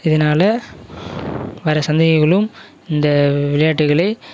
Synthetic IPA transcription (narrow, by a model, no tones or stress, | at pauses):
ɪðɐnaːlɐ | ʋɐɾɐsɐnd̪ɐɣɐɣɐɭɯm | ɪnd̪ɐʋɪlɐjaːʈːɯɣɐɭɐɪ